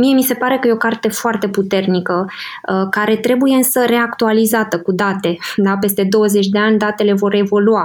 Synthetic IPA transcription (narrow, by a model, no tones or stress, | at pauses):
mije̞mise̞paɾe̞kəjeo̞kart̪e̞foart̪e̞put̪e̞rnikə | əkaɾe̞t̪ɾe̞buje̞ɨnsəre̞akt̪ualizat̪əkud̪at̪e̞d̪ape̞st̪e̞d̪o̞wəzet͡ʃʲd̪e̞anʲd̪at̪e̞le̞vo̞ɾe̞vo̞lua